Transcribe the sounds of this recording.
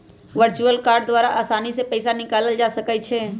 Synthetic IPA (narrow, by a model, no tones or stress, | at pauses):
ʋəɾt͡ʃuəlkaɾɖd̪ʋaːɾaʔaːsanisepəɪsanɪkaləld͡ʒasəkɛt͡ʃʰɛ